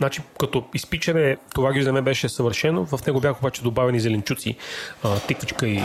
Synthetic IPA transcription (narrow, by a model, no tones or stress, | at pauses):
znat͡ʃikɐt̪ɔispit͡ʃɐnɛt̪ovaɡʲiʒzɛmɛbɛʃɛsɐvəɾʃɛnovɐfnɛɡobʲjaxəobat͡ʃɛd̪obavɛnizɛlɛnt͡ʃut̪sḭət̪ɛkit͡ʃkəi